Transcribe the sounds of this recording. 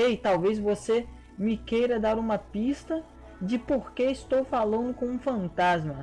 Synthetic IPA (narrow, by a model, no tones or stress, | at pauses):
ejt̪awvezvose | mɪkejɾɐd̪aɾũmɐpist̪ɐ | d͡ʒɪpoɾkeɪst̪owfalɐ̃nd̪ʊkõũfɐ̃nt̪azmɐ